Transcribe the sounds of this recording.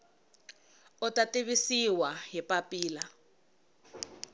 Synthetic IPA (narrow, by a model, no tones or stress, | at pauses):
ʊtatʼeβisiwaɦipapʼiːla